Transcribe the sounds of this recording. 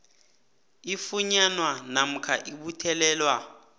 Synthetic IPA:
ifuɲanwanam̩kʰa̰ʔiɓutʰɛlɛːlwa

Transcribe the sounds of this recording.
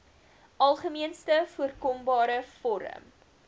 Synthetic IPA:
ʔɐlˠχəmiənstəfuərkɔmbɑːɾəfɔɾə̰m

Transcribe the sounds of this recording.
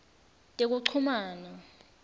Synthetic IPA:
tʼek̬uǀʰumaːna

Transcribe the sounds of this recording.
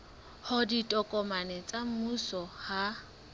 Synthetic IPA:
hʊditʼɔkʼɔmanɛt͡sʼam̩musɔha

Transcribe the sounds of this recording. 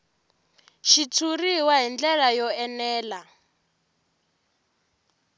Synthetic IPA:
ʃitʰuriwaɦind͡ɮɛɺajɔɛnɛːla

